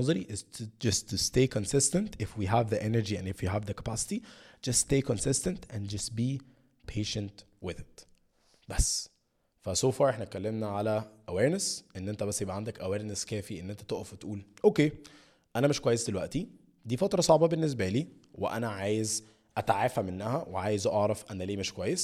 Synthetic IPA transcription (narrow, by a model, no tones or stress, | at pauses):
ɑzˤɑɾiʔɪzt̪d͡ʒɑst̪ust̪eːkonsɪst̪ænt̪ʔɪfwiɦævðiʔenəɾd͡ʒiæ̰̃nefwjiɦævðəkæ̥pæsɪ̥t̪id͡ʒɑst̪ːt̪eːkonsɪst̪ænt̪ʔæ̃nd͡ʒɑst̪̚biː | pʰeːʃænt̪ | wɪðɪt̪ | b̥æs | fæsoːfɑːɾˤeħnæt̪̚kːælːemnæʕalæʔæweːɾnesʔenːʔent̪æbæsːjebʔæʕand̪ækʔæweːɾneskæːfiʔḛnːʔent̪æ̥t̪oʔæfwet̪ʔuːlʔokeː | ʔænæmeʃkwæjːesd̪elwæʔt̪i | d̪iːfɑt̪ɾˤɑsˤɑʕbɑbenːes̬bæliː | wḛʔæ̰næʕaːjez | ʔæt̪ʕafæmenːæhæweʕaːjezʔɑʕɾˤɑfʔænæleːmeʃkowæjːes